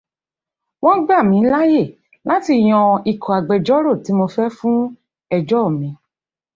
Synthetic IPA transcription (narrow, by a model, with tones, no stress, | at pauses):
w̃ɔ̃˦ɡ͡ba˦˨mĩ˨˧˦la˦je˦˨ | la˦ti˧˨j̃ɔ̃˧i˨kʰɔ˨a˨ɡ͡bɛ˨d͡ʒɔ˦ɾo˦˨ti˨˦mo˧fɛ˦fũ˦ | ɛ˧d͡ʒɔ˦˨mĩ˧˦